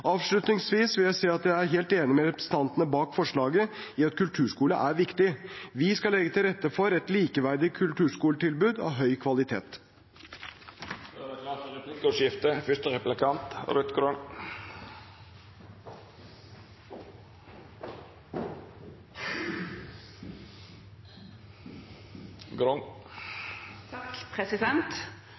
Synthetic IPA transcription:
ɑːʋʂlʉt̪nɪŋsʋiːsʋɪljæɪseːɑt̪jæɪæɾɦeːlt̪eːnɪmɛɾɛpɾɛsə̥t̪ɑnt̪ənəbɑːkfɔʂɭɑːɡəɪɑt̪kʰʉlt̪ʰʉːʂkuːləʔæɾʋɪkt̪ɪʋɪskɑlɛɡːət̪ʰɪlɾɛt̪ːəfɔɾɛt̪liːkəʋæɾd̪ɪkʰʉlt̪ʰʉːʂkuːləʈ̪ɪlbʉːd̪ɑ̰ʋɦœʏkʰʋɑlɪt̪ʰḛːt̪ | ɑɾɛplɪkɔʂjɪft̪əfʏst̪əɾɛplɪkʰɑnt̪ɾœt̪ɡɾɔn | ɡɾɔŋ | kpʰɾɛsɪd̪ɛnt̪

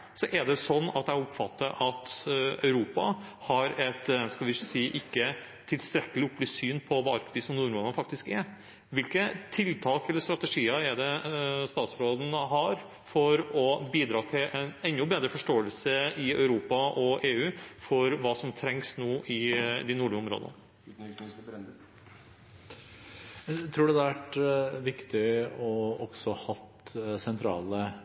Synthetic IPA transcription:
sɔʔɛɖ̪ɛsɔnːɑ̰t̪æɪɔpfɑ̰t̪ːəɾʔɑt̪œ̰ʉɾuːpɑhɑɾɛt̪skɑlʋɪsiːʔɪkːə | t̪ʰːɪlst̪ɾɛkːəlɪʊpːlɪsyːnpʰɔʋɑːɑɾkʰʋiːsɔmnuːɾmɔːnɑnfɑk̚t̪ɪskɛɾ | ʋɪlkət̪ʰɪlt̪ʰɑːkɛlːəɾst̪ɾɑt̪əʂiːəɛd̪ɛst̪ɑːt̪sɾoːd̪n̩ɦɑɾ | fɔɾɔbiːd̪ɾɑːt̪ʰɪlɛnɛnːʊbeːd̪ɾəfɔʂʈoːəlsəɪœʉɾuːpɑʔɔʔeːʉːfɔɾʋɑːsɔmt̪ʰɾɛŋsnoːʔɪd̪ɪnuːɭɪɔmɾo̰ːd̪ə̰nː | t̪ʰɾuːɖɛd̪ɑʋæʈʋɪkt̪ɪɔɔɡ̥sɔhɑt̪sɛnt̪ʰɾɑ̰ːlə

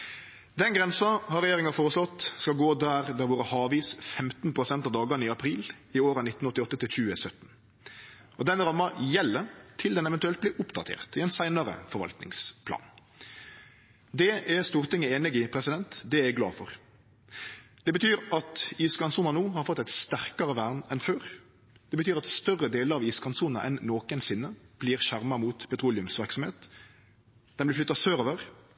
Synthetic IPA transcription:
d̪ɛnɡɾɛnsɑhɑʁɛjeːɾɪŋɑfoːɾəslɔt̪ːskɑlɡoːd̪æːʁd̪æʋuːɾəhɑːʋiːsfɛmt̪n̩pʰɾʊsɛnt̪ɑːʋd̪ɑːɡɑnɪɑpʰɾiːl | ɪoːɾɑnɪt̪n̩ɔt̪ːɪɔt̪ːət̪ʰɪlçʉːəsœt̪ːn̩ | ʔɔd̪ɛnɾɑmːɑjɛlːət̪ʰɪld̪ɛnɛʋɛnt̪ʉɛlt̪̚bliːʔʊpd̪ɑt̪ʰḛːʁt̪ɪɛnsæɪnɑɾə̰fɔɾʋɑ̰lt̪nɪ̰ŋspʰlɑ̰ːn | d̪ɛʔæʁst̪uːʁt̪ʰɪŋːəeːnɪɡɪpʰʁɛsɪd̪ɛnt̪d̪ɛæɡlɑ̰ːfɔʁ | d̪̥ɛbət̪ʰyːʁʔɑt̪iːskɑnsuːnɑnuːhɑɾfɔt̪ːɛɪt̪st̪æʁkɑʁəʋæːʁnɛnføːʁ | d̪̥ɛbət̪yːʁɑt̪st̪œʁəd̪eːləʁɑʋiːskɑnsuːnɑ̰ʔɛnːoːkənsɪnːəb̥liːʁʃæʁmɑmuːt̪pʰɛt̪ʰʁuːlɪʉmsʋæʁksɔmheːt̪ | d̪̥ɛnb̪ɪflʏt̪ːɑsøːɾoːʋəʁ

